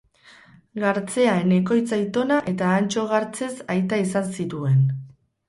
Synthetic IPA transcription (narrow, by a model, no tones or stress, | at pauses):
ɡaɾt͡se̞aene̞ko̞jt͡sajt̪o̞naʔe̞t̪aːnt͡ʃo̞ɣ̞aɾt͡se̞sajt̪aisansit̪ue̞n